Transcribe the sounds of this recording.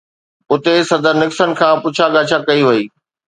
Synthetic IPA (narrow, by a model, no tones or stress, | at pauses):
ʊt̪esɐd̪ʱəɾnɪksən̆kʰãːpʊt͡ɕʰaɡaːt͡ɕʰakɐiʋɐiː